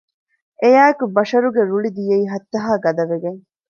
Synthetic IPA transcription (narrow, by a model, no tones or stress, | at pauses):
ʔejaːekubɐʃɐɾuɡeɾuɭid̪ijeiːɦɐt̪ːɐɦaːɡɐd̪ɐʋeɡeŋ